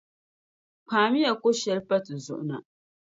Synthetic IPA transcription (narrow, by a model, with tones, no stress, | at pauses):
paː˨mɪ˦ja˨kʷo˦ʃɛ˦ɾpɐ˦tzʊ̰˦ʔna˨